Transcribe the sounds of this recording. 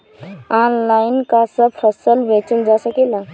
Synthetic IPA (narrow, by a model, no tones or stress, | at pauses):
anlajnkasəbpʰɾəsəlbẽt͡ʃəld͡ʒasəkela